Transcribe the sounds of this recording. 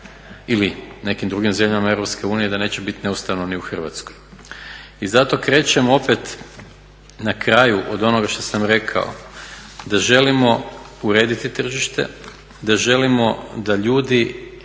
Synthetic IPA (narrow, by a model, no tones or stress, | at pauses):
iline̞kimd̪ɾuɡimze̞mʎamae̞vɾopske̞uːnije̞d̪ane̞ːt͡ɕebit̪ine̞ust̪aʋnoniuxr̩ʋa̰t̪sko̞j | izat̪o̞kɾe̞ːt͡ʃe̞mo̞pe̞t̪ | nakɾajuʔod̪o̞noɡaʃt̪o̞samɾe̞kʰa̰o̰d̪aʒe̞limo̞ | uɾe̞ːd̪it̪it̪r̩ʒiʃt̪e̞̰ | d̪aʒe̞limo̞d̪aʎuːd̪i